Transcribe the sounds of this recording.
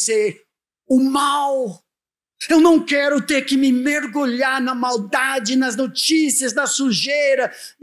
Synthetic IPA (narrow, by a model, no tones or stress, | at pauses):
seɾ | ʊmaw | ewnɐ̃w̃kɛɾʊt̪eɾkɪmɪmeɾɡuʎaɾnɐmawd̪ad͡ʒɪnɐznot͡ʃisiɐznɐsuʒeɾɐ